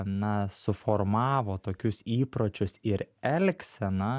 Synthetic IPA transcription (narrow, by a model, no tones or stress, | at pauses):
nɐsʊfoːɾmɑːʋoːt̪oːkʲʊsiːpɾoːt͡ʃʲʊsɪɾɛlʲksʲɛnɐ